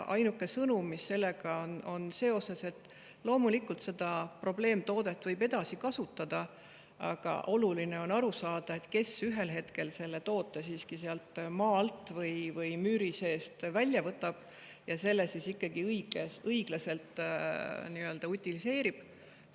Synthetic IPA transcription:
ʔɑ̰jnukːˑe̞sɤnumːisːe̞lːeɡ̥ɑono̞nse̞ːo̞se̞se̞t̪ːˑ | lo̞ːmulikult̪se̞d̪̥ɑpro̞ble̞ːmt̪o̞ːd̪̥e̞t̪ːˑvɤjbe̞d̪̥ɑsikɑsut̪ːˑɑd̪̥ɑ | ɑ̰ɡ̥ɑ̰ʔo̞luline̞o̞nɑɾusɑːd̪̥ɑet̪ke̞syɦe̞lɦe̞t̪ke̞lse̞lːe̞t̪o̞ːt̪ːˑe̞siːskiseɑlt̪mɑːlt̪ˑvɤjvɯjmyɾise̞ːst̪vælʲjɑvɤt̪ːˑɑb̥ | jɑse̞lːesisikːɑɡiɯjɡeɤiɡ̥lɑse̞lt̪ | niø̞ld̪̥ɑut̪ʲːˑilise̞ːɾib̥

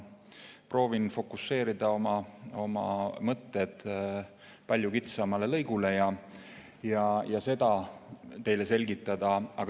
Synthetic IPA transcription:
pro̞ːvinfo̞kˑusːe̞ːɾid̪̥ɑo̞mɑo̞mɑ̰mɤt̪ːe̞d̪̥ | pɑlʲjukit̪sɑmɑle̞lɤ̞jɡ̥ule̞jɑ | jɑjɑse̞d̪ɑt̪e̞jle̞se̞lʲɡit̪ːˑɑd̪̥ɑɑ̰ɡ

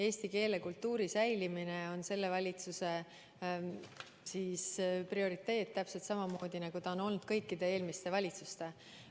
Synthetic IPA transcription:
e̞ːst̪ike̞ːlekult̪ːuːɾisæjlimine̞o̞nse̞lːe̞vɑlʲit̪suse̞ | siːsprio̞ɾit̪ːˑe̞ːd̪̚t̪ːæpse̞lt̪sɑmɑmo̞ːd̪̥ʲinɑɡ̥ut̪ɑono̞lnud̪̥kɤjkːid̪̥e̞e̞ːlmist̪e̞vɑlʲit̪sust̪e̞

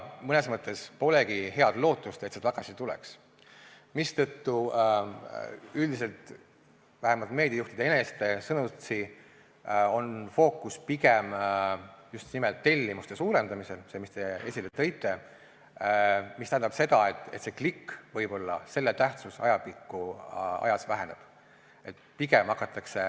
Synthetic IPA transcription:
mɤne̞smɤt̪ːˑe̞spo̞le̞ɡ̥ihe̞ɑd̪lo̞ːt̪ːˑust̪et̪se̥t̪ɑɡ̥ɑsit̪ulḛks | mist̪ɤt̪ːu | yld̪is̬e̞lt̪ | væɦemɑlt̪me̞ːd̪̥ʲiɑjuht̪id̪eenest̪e̞sɤnut̪si | o̞nfo̞ːkːˑuspiɡem | just̪nimelt̪ːe̞lʲːimust̪e̞suːɾe̞nd̪ɑmise̞lsemist̪e̞e̞̰sʲilːet̪ːɤjt̪ːˑe̞ | mist̪æhɦind̪ɑb̥se̞d̪̥ɑet̪ːˑe̞̰t̪se̞klikːvɤjbo̞lːɑ̰se̞lːet̪æht̪susɑ̰jɑpikːˑuɑ̰jɑsvæɦe̞ne̞b̥ | e̞t̪piɡemɑkːˑɑt̪ːˑɑkse̞

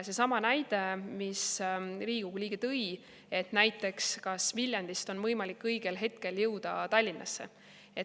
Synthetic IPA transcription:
se̞sɑmɑnæjd̪̥e̞misriːɡ̥uɡ̥lʲiːɡ̥et̪ɤ̞j | e̞t̪næjt̪ˑːe̞kskɑsmilʲjɑnd̪ist̪o̞nmɤjmɑlikːɤjɡ̥e̞lɦe̞t̪̚ke̞ljɤwd̪̥ɑt̪ɑlʲːinːʔɑ̰sːe̞̰ | e

